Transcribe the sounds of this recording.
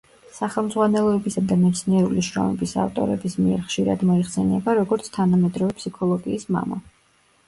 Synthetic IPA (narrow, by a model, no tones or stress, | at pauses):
saχɛlˠmzʁwanɛlˠɔɛbisad̪amɛt̪sʰniɛɾuliʃɾɔ̰mɛbisa̰ft̪ʼɔ̰ɾɛ̰bismiɛɾχʃiɾa̰d̪mɔiχsɛnɛbaɾɔɡɔɾt̪sʰt̪ʰanamɛd̪ɾɔvɛpʰsikʰɔlˠɔɡiːsma̰ma̰